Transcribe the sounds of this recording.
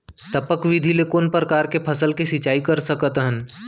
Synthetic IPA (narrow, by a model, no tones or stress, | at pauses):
t̪əpəkʋɪd̪ʱilekonpɾəkaːɾkepʰɐsəlkisɪt͡ʃaːikɐɾsəkət̪ɦən